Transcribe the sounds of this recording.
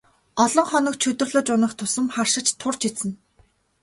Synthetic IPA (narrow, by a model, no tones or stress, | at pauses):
ɔɮɞ̆ɴχɔnɞ̆kt͡ɕʰɵt̪ɵ̆rɮə̆t͡ɕʊnə̆χt̪ʰʊsə̆mχarʃɪ̆t͡ɕt̪ʰʊr̥t͡ɕʰisɘ̆n